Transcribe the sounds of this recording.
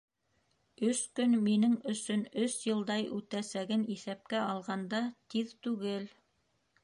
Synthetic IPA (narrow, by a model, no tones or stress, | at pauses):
ɵskɵnminɘŋɵ̆sɵnɵsjɤ̆lˠd̪ɑjʉt̪æsæɡɘniθæp̚kæɑlˠʁɑnd̪ɑt̪iðt̪ʉɡɘl